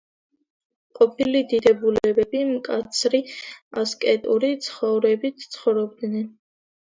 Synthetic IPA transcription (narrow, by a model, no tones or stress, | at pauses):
qʼɔpʰilid̪id̪ɛbulɛbɛbimkʼat̪sʰɾiaskʼɛt̪ʼuɾit̪sʰχɔvɾɛbit̪ʰt̪sʰχɔvɾɔb̚d̪nɛn